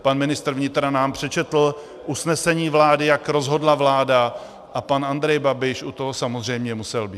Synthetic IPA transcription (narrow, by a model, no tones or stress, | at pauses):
panmɪnɪst̪r̩vɲɪt̪ɾanaːmpr̝̥ɛt͡ʃɛt̪l̩ | ʔusnɛsɛɲiːvlaːdɪjakɾo̞zɦo̞dlavlaːda | ʔapanand̪ɾɛjbabɪʃʔut̪oɦosamozr̝ɛjmɲɛmusɛlbiː